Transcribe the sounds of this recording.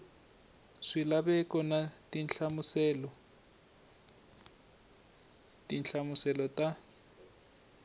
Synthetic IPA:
ʂilabɛkɔnatʼinɬamusɛlɔ | tʼinɬʰamʊsɛlɔtʼa

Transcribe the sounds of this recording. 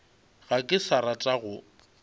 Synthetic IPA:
ɣakʼɪsaɾat͡ʃʼaɣʊ

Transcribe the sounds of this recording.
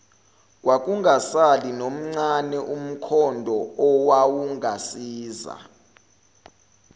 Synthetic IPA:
kwak̬uŋasalinom̩ŋ͡ǀanɛʔum̩kʰɔndʱɔɔwawuŋʱasiːza̰

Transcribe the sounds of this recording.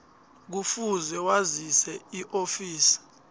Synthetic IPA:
k̬ufuzɛwazisɛiʔofiːsi̥

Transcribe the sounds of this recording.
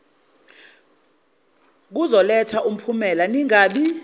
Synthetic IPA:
k̬uzɔlɛtʰaʔum̩pʰumɛlaniŋaːɓi

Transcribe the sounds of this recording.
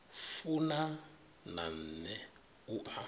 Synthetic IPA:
ffuna | na̰n̩nɛ | ua

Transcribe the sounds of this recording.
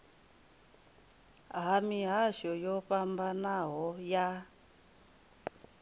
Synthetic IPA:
ɦamiɦaʃɔjɔɸambanaɦɔja

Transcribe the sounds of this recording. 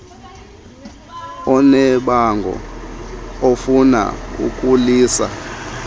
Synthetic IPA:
ɔnɛɓaŋɡʱɔ̰ | ofuna̰ṵkʼuliːsa̰

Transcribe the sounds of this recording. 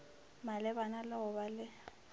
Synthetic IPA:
malɪbanalɪɦʊbalɪ

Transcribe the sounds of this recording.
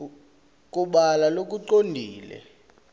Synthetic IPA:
k̬ʼuɓalalok̬ʼuǃondʱiːlɛ̰

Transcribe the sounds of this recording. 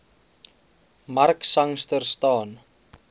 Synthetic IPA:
marksaŋst̪əɾst̪ɔːn

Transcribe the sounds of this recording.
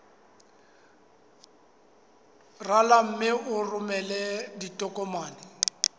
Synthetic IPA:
ralam̩mɪʊrʊmɛlɛditʼɔkʼɔmaːnɪ

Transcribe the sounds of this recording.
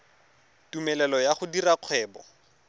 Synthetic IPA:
tumɛlɛlɔjaχʊdiraq͡χʰwɛːbɔ̰

